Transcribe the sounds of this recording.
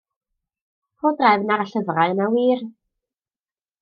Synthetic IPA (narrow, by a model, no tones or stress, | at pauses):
roːdrajvnaɾaɬəvraɨnawiːr